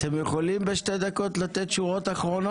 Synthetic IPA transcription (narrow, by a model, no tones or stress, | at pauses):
t̪emjeχo̞limbeʃted̪ako̞t̪lat̪et̪ʃuʁo̞t̪aχʁo̞no